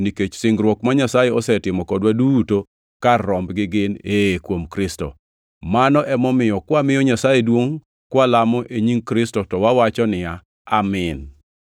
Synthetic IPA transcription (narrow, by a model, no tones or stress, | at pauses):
niket͡ʃsɪŋɡɾwɔkmaɲasajeɔsɛtɪmɔkɔdwaduto | karːɔmbɡɪɡɪnekwomkɾɪstɔ̰ | manɔʔɛmɔmɪjɔkwamɪjɔɲasajedwoŋ | kwalamɔʔeɲiŋkɾɪstɔtɔwawat͡ʃɔnɪja | amɪn